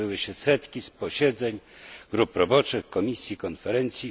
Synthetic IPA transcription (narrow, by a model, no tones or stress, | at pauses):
ɘwɘɕɛsɛt̪kʲispɔɕɛd̪zɛɲɡɾupɾɔbɔt͡ʂɘxkɔmʲisʲjikɔnfɛɾɛnt̪sʲji